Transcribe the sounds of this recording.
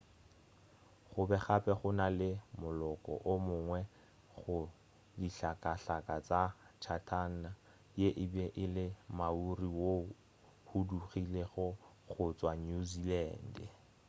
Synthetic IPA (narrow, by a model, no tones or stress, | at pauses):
χʊbɛχapʼɛχʊnalɪmʊlɔkʼɔ̰ʔʊmʊːŋwɛ | χʊ | diɬakʼaɬakʼat͡sʼat͡ʃʰatʰan̩na | jeʔɪbɛʔɪlɪmauriwo | huduχileɣʊ | χʊt͡sʼwaɲuzilɛːn̩dɛ